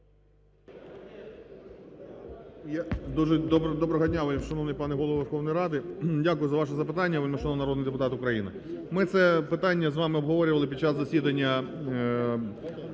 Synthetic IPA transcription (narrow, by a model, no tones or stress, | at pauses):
jad̪uʒɛd̪ɔbd̪ɔbɾɔɦɐdʲnʲaʋɔlʲʃɐnɔʋnɐjpɑnɛɦɔlˠɔʋʋerxɔʋnʊjɾɑd̪ɪdʲakʊjʊzɐʋɑʃ̬ɛzɐpɪt̪ɑnʲːɐʋɔlʲmɐʃɔnɔnɐɾɔd̪nɪjd̪ep̬ʊt̪ɑt̪ʊkɾɐjinɪ̰ | mɪt̪sɛpɪt̪ɑnʲːɐzʋɑmɪɔbɦɔʋɔɾʲʊʋɐlˠɪpʲid̚ʲt͡ʃɑsːɐsʲid̪ɐnʲːɐ